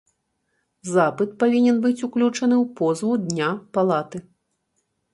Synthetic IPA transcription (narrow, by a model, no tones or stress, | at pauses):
zapɨt̪̚pavʲinʲɛnbɨt͡sʲuklʲut͡ʂɐnɨwpɔzvud̪nʲapalˠat̪ɨ